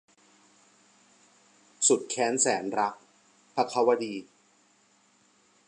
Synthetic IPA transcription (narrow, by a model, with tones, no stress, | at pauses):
su˨˩t̪̚kʰɛː˦˥nsɛː˩˦nɾa˦˥k̚ | pʰa˧˥kʰa˧˥wa˧diː˧